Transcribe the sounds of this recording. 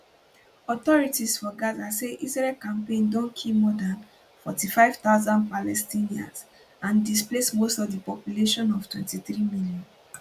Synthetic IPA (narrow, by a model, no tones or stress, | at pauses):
ɔt̪ɔɹitisfɔɡadaseʔizɹɛlkãmpẽndɔ̃nkʰimɔdãn | fɔtifaɪv̥taʊzãndpalɛstĩniã̰ns | ãndisplesmostɔvdipɔpjuleʃɔ̃nɔv̥twɛ̰̃ntiθɹimiljɔ̃n